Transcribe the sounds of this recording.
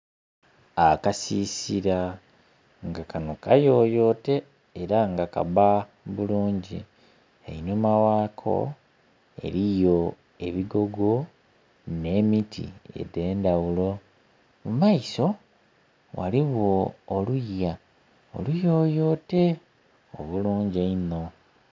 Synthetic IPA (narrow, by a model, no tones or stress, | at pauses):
akasisiɾa | ŋɡakano̞kajo̞ːjo̞ːte̞ː | ɾaŋɡaka̰ba | βuluːɲɟi | ḛinomawaːkʰo̞̰ | e̞̰ɾijo̞ | e̞βiɡo̞ɡo̞ | ne̞ːmitʰḭḛde̞ːndawulo̞ | mumaiso̞ | wʔa̰liβoːlujːa | o̰lujo̞ːjo̞te̞ | o̰βuluːɲɟeino̞